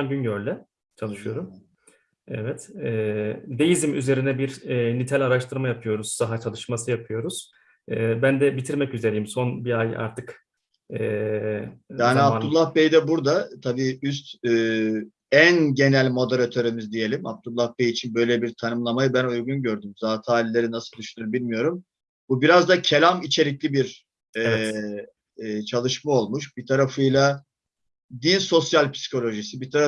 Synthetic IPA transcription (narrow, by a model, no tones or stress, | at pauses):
anɟynɟøɾlʲɛ | t͡ʃʰalˠɯʃɯjo̞ɾum | ɛ̰vɛt̪ɛd̪ejizimyze̞ɾinɛbiɾnit̪ʰɛlʲaɾaʃt̪ʰɯɾmajapʰɯjo̞ɾuz̥ːaɦat͡ʃʰalˠɯʃmasɯjapʰɯjo̞ɾuz̥ | ɯːbænd̪ɛbit̪ʰiɾmɛcyze̞ɾejimso̞nbiaja̰ɾt̪ʰɯk | ɛ | jaːniapt̪ulˠːahbejd̪ɛbuɾd̪at̪ʰabiːys̬t̪ː | ænɟe̞nælʲmo̞d̪e̞ɾat̪ʰø̞ɾemizd̪ije̞lʲima̰p̚t̪ʰulˠːahbejit͡ʃʰinbø̞jlʲebiɾt̪ʰanɯmlˠamajɯbænujɡunɟø̞ɾd̪ymzaːt̪ʰɯaːlʲilʲe̞ɾinasɯlˠd̪yʃynyɾbilʲmijo̞ɾum | bubiɾazd̪acʰelʲamit͡ʃʰe̞ɾʲiclʲibiɾ | ɛɛ | t͡ʃʰalˠɯʃmao̞lˠmuʃbit̪ʰaɾafɯjlˠa | d̪inso̞sjalʲpʰi̥si̥kʰo̞lʲo̞ʒisibit̪ʰaɾa